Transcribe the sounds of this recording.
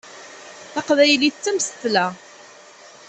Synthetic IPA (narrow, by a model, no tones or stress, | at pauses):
θɑqvæjliθt͡sːəmsə̥θlæ